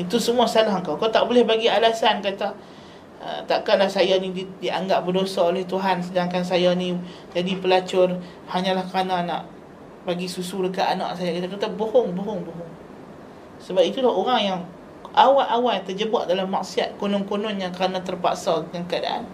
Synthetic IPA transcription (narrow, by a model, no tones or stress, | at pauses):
it̪usəmuasalaɦəŋkawkawt̪aʔbolɛhbaɡialasankat̪a | ə̰t̪aʔkalahsajanididiaŋɡap̚bərdosaolɛht̪uɦansədaŋkans̬ajanĩ | d͡ʒadipəlat͡ʃʊr | haɲãlahkəɾanana̰ʔ | baɡisusuləkaanã̰ʔsajakat̪ak̪at̪abohʊŋboɦʊŋboɦʊŋ | səbap̚it̪ulaɦoɾaŋjaŋ | ʔawaʔʔawat̪ərd͡ʒəbaʔdalamːaksiat̪̚konɔnkonɔnjaŋkəɾanat̪ərpa̰ʔsɔəŋankəada̰ʔa̰n